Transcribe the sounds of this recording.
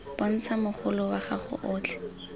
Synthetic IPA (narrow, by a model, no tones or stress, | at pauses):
pɔn̩t͡samʊχʊlʊwaχaχʊ̰ʔʊːt͡ɬʰɛ̥